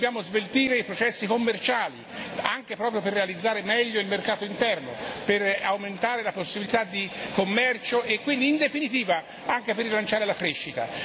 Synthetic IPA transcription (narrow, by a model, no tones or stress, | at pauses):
objaːmozvelt̪iːɾeipɾot͡ʃɛsːikomːert͡ʃaːli | aŋkepɾɔːpɾjoperːealid̪zːaːɾemɛʎːoilmerkaːt̪oint̪ɛrno̰perawment̪aːɾelaposːibilit̪ad̪ːikomːɛrt͡ʃoekːwind̪iːnd̪efinit̪iːva | aŋk̟eperːilant͡ʃaːɾelakɾeʃːit̪a̰